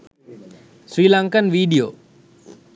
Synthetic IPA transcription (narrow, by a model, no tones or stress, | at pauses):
swiːlaŋkənʋiːɗijoː